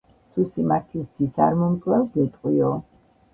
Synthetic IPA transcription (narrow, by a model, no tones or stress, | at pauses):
t̪ʰusimaɾt̪ʰlist̪ʰwisa̰ɾmɔmkʼlɛlɡɛt̪ʼqʼwiɔ